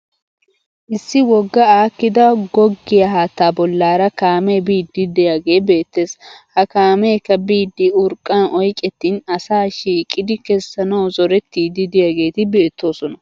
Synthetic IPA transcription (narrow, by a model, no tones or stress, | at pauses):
ʔɪsːɪwɔɡːɐaːkːɪd̪ɐɡɔɡːɪjɐɦaːt̪ːaːbɔlːaːɾɐkaːmɛbiːd̪ːɪd̪ɛjaːɡe̞ːbe̞ːt̪ːe̞ːshɐkaːmeːkːɐbiːd̪ːɪʊɾkʼːɐnʔɔjkʼɛt̪ːiːnɐsaːʃiːkʼːɪd̪ɪkɛsːɐnɐwzɔɾɛt̪ːiːd̪ɪd̪ɪjaɡe̞ːt̪ɪbe̞ːt̪ːo̞ːsɔnɐ